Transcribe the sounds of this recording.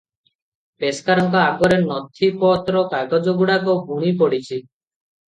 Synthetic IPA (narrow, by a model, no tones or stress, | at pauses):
peskaɾɔŋkɔaɡɔɾenɔt̪ʰipɔt̪ɾɔkajɡɔd͡ʒɔɡuɽakɔbʱuɽ̃ipɔɽit͡ʃʰi